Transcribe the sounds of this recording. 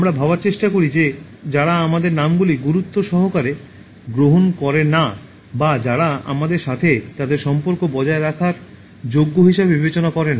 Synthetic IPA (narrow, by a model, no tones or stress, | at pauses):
amɾabʱabaɾt͡ɕeʃʈakoɾid͡ʑe | d͡ʑaɾaamad̪eɾnamɡuliɡuɾut̪ːoʃɔɦokaɾe | ɡɾoɦonkɔɾena | bad͡ʑaɾaa̰mad̪eɾʃat̪ʰet̪ad̪eɾʃɔmpoɾkobɔd͡ʑaeɾakʰaɾ | d͡ʑoɡːoɦiʃebebibet͡ɕonakɔɾena